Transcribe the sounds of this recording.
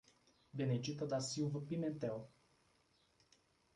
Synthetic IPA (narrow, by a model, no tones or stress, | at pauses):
bened͡ʒit̪əd̪asilvəpiment̪ɛw